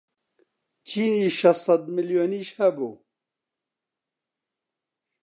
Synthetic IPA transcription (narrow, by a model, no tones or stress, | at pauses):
t͡ʃʰiːniːʃɐssɑd̪mɨljoːniːʃhɛbṵː